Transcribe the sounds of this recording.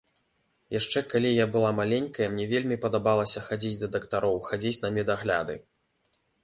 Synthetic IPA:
jaʂt͡ʂɛkalʲijabɨlˠamalʲenʲkɐjɐmnʲɛvʲelʲmʲipɐd̪abalˠɐsʲɐxad͡zʲit͡sʲd̪ɐd̪ɐkt̪aɾɔwxad͡zʲit͡sʲnɐmʲɛd̪aɣlʲa̰d̪ɨ̰

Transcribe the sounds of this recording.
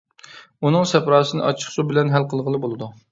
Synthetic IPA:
unɨŋsɛpɾɑːsɨnɨ̰ʔɑt͡ʃʰə̥χsubɪlɛnɦælqʰəlˠʁəlˠɨbolˠɨd̪u

